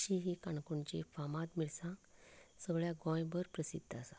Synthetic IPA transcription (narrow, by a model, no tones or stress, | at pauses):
ɕiɦikaɳkuɳt͡ɕifamãt̪miɭsãsəɡɭjaɡɔ̃jbəɾpɾəsḭd̪ʱːasa